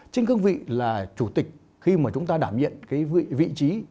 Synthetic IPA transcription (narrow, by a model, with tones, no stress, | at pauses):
t͡ɕe˧ŋkɨ˧əŋvḭ˧˨laː˨˩t͡ɕu˧˩t̪i˨˩k̟̚ | xi˧maː˨˩t͡ɕʊ˨˦ŋ͡mt̪aː˧ɗaː˧˩mɲḭ˧˨ənkaː˨˦jḭ˧˨vḭ˧˨t͡ɕi˨˦